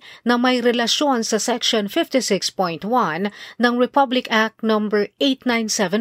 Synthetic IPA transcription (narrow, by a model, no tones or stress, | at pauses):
nɐmɐjɾɛlɐʃjonsɐsɛkʃonfɪft̪ɪsɪkspojnt̪wɐ̃nːɐŋɹɛpɐblɪkak̚t̪̚nɐmbɛɹʔejt̪nãj̃nsɛvɛ̃n